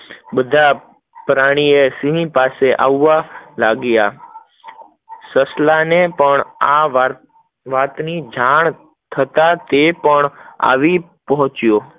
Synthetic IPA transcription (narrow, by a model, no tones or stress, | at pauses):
bəd̪ʱa | pɾaɽ̃iesĩɦĩpaseʔaʋːalaɡja | səslanepəɳaʋa | ʋat̪nid͡ʒaɳ̃ | t̪ʰət̪at̪epəɳa̰ʋi | pəɦɔ̃t͡ʃijo